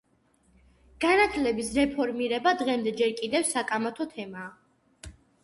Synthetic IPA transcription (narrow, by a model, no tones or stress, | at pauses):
ɡ̥anat̪ʰlɛbisɾɛpʰɔɾmiɾɛbad̪ʁɛmd̪ɛd͡ʒɛɾkʼid̪ɛfsakʼamat̪ʰɔt̪ʰɛmaː